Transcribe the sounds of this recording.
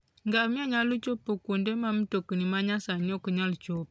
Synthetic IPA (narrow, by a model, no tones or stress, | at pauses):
ŋɡamiaɲalut͡ʃopːokondemamitokənimaɲasaniokəɲalut͡ʃop̚